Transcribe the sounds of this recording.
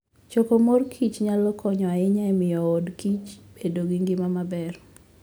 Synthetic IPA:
t͡ʃokomorkʰit͡ʃɲalɔkʰɔɲɔaɪɲaɛmɪjɔodkit͡ʃb̥edoɡiŋɡɪmamabɛr

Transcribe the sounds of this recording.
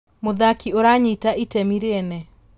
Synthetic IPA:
moðakioɾaɲitaʔitɛmiɾeɛnɛ

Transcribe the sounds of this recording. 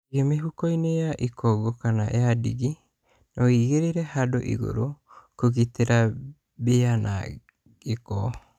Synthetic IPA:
ɡemeɦukojneaʔikʰoɡokanaʔeadiɡi | noiɡeɾeɾehado̰ʔḭɡo̰ɾokoɡit̪eɾa | beana̰ | ɡeko̰

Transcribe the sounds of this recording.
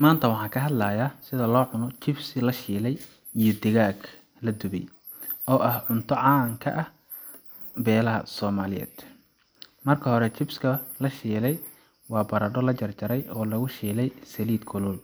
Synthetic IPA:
maːnt̪ʰɐwɑħɑ̃ːkʰɐɦɐd̪lɐːjaːsɪðɐlɔːʕʊnɔt͡ʃɪbsɪlɐʃiːlɛj | ijɞd̪ɪɣaːɡ | lɐd̪ʊβɛ̰j | ɔːʔɐhʕʊnt̪ʰɔʕɑːŋkʰɐ̰ʔɐh | bɛːlɐɦɐ̰sɔːmaːlɪjɛ̰ːd̪̥ | mɐrkʰɐɦɔɾɛt͡ʃɪbskʰɐlɐʃiːlɛj | wɑːbɐɾɐɖɔlɐt͡ʃɐrt͡ʃɐɾɛjʔɔːlɐɣʊʃiːlɛjsɐliːd̪kʰʊlʊl

